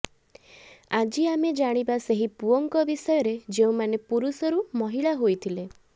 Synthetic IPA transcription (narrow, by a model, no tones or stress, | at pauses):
ad͡ʒiamed͡ʒaɽ̃ibaseɦipuɔŋkɔbisɔjɔɾed͡ʒeũmanepuɾusɔɾumɔɦiɭaɦojt̪ʰile